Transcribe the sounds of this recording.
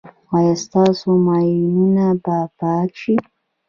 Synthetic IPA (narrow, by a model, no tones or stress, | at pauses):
ɑjast̪ɑsomɑjinunabapɑkʃi